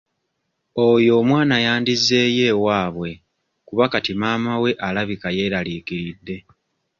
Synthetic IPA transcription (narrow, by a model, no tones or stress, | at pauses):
ojo̞ːmwaːnajaːndizːe̞ːje̞ːwaːβwe̞ | kuβakatimaːmawe̞ʔalaβikaje̞ːɾaliːkiɾidːe̞